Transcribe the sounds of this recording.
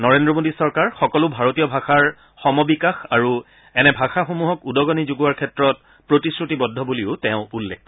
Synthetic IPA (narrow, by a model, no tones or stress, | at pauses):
nɔɹendɹɔmodisɔɹkaɹxɔkɔlʊbʱaɹotijɔbʱaxaɹ | xɔmɔbikaxaɹu | ɛnɛbʱaxaxumuɦɔkudɔɡɔnizuɡuwaɹkʰɛtɹɔt̚ | pɹotisɹutibɔdʱːɔbuliʊtɛʊ̃ulːekː